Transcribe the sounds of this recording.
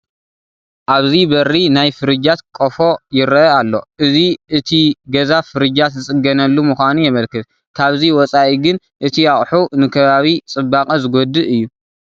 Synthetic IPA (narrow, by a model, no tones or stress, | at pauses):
ʔaβzibɐrinajfɨɾɨd͡ʒat̪kʼofo̞jɪɾɐalːo̞̰ʔɨziʔɨt̪ʰiɡɐzafɨɾɨd͡ʒat̪zɨsʼɨɡɐnɐlːumɨxʷanujɛmɐlkɨt̪ | kʰaβziwɔt͡sʼaʔiɡɨn | ʔɨt̪ʰijaχʼħunɨkʰɐβaβit͡sʼɨbːakʼɐzɨɡod̪ɨʔɨjːu